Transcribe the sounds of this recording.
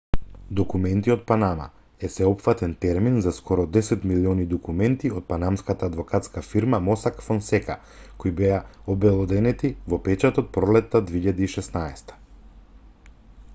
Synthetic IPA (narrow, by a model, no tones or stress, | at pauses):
d̪ɔkumɛnt̪iɔt̪̚panama̰ | ɛsɛɔpfat̪ɛnt̪ɛɾminzaskɔɾɔd̪ɛsɛt̪miliɔnid̪ɔkumɛnt̪iɔt̪̚panamskat̪aːd̪vɔkat̪skafiɾmamɔsakfɔnsɛka | kojbɛaɔbɛlˠɔd̪ɛnɛt̪ivɔpɛt͡ʃat̪ɔt̪̚pɾɔlɛt̪ːad̪veiʎad̪iːʃɛsnaɛst̪ḁ